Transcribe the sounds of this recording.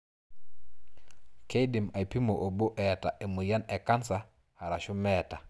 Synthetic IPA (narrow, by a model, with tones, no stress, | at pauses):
ke˦jdi˨ma˨jpi˦mo˨ʔo˨bo˦ʔɛ˨ta˨ʔe˨mu˨ja˦ne˨ka˦nsa˨ | ha˨ɾa˨ʃu˦mɛ˦ta˨